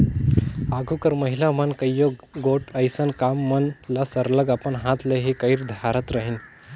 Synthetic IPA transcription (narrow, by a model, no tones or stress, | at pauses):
aɡʱukəɾməɦilamənkəjːoɡoʈəjsənkamːənlasəɾləɡapəɳɦãt̪leɦikəjiɾd̪ʱaɾət̪ɾəɦin